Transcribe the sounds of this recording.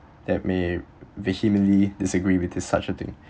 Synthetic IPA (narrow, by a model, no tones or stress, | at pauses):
d̪ɛt̚mevəhimə̃nlidɪsəɡɹiwɪdɪsa̰t͡ʃət̪ɪ̰̃ŋ